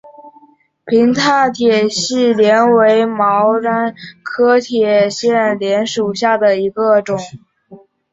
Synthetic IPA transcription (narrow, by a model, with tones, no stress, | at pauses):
pʰi˧˥ŋt̪ʰa˥˩t̪ʰjɛ˨˩ɕi˥˩ljɛ˧˥nwe˧˥ɪmɑ˧˥ʊɻa˥nkʰɤ˥t̪ʰjɛ˨˩ɕjɛ˥˩nljɛ˧˥nʂu˨˩ɕja˥˩d̪ə˩i˧˥ɡə˧ʈ͡ʂʊ˨˩˦ŋ